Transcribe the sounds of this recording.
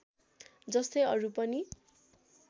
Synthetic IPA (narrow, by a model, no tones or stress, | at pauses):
d͡zʌst̪ʌjʌɾupʌni